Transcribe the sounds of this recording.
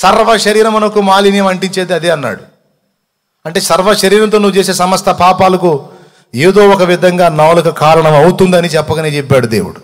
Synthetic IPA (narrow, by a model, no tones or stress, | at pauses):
sɐɾʋɐʃɐɾiːɾɐmɐnɐkumaːlinijɐmɐɳʈiɲt͡ʃeːd̪eɐd̪eɐnːa̰ːɽu | ɐɳʈe̞ːsɐɾʋɐʃɐɾiːɾɐmt̪oːnuʋut͡ʃeːse̞ːsɐmɐst̪ʰɐpaːpaːlɐku | eːd̪o̞ːɔkɐʋid̪ʱɐŋɡaːnaːlukɐkaːɾɐɳɐmɐwut̪und̪ɐnit͡ʃɛpːɐkɐneːt͡ʃɛpːaːɽud̪e̞ːwuɽu